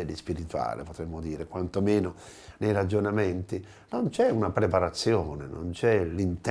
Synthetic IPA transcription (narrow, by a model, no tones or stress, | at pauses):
elːispiɾit̪ua̰ːlḛpot̪ɾɛmːod̪iːɾekwant̪omeːno | nejɾad͡ʒonament̪i | nont͡ʃɛunapɾepaɾat̪sːjoːneno̰nt͡ʃɛlint̪